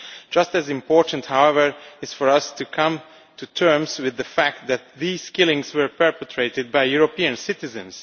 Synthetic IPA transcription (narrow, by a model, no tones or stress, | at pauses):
d͡ʒ̥ʌstɨzɪ̃mpʰɔɹtə̃n̩thawɛvə˞ɪz̥fɔɹʌstukʰʌ̃m | tʰutʰɜ˞mzwɪðəfæk̚t̪̚ðæt̪̚ðiːz̥kɪlˠɪ̃ŋzwə˞pɛɹpɛtʰɹ̥eɪtɨd̚bajjuɹopiɨ̃nsɪtɪzɨ̰̃ns